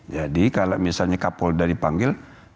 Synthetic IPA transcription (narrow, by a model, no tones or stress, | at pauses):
d͡ʒadikalaʔmiasalɲakapɔldaɾipaŋɡɪl